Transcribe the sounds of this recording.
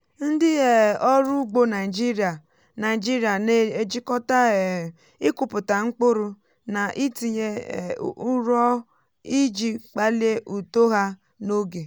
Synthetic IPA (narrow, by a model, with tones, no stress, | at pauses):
n̩˦dɪ˦ɣe˨ɔ˦ɾu˦ɡ͡bo˦na˨ɪ˨d͡ʒi˦ɾi˨a˨ | na˨d͡ʒi˦ɾi˨a˨ne˦e˦d͡ʒi˦kɔ˦ta˦˨ | ɪ˦kʊ˨pʊ˨ta˨ŋ͡m̩˦k͡pʊ˦ɾʊ˦ | na˨ʔi˦ti˨ɲe˦˨˦ | u˦ɾɔ˦ | i˦d͡ʒi˦k͡pa˦li˦e˦ʔu˨to˦ɦa˦ | no˦ɡe˨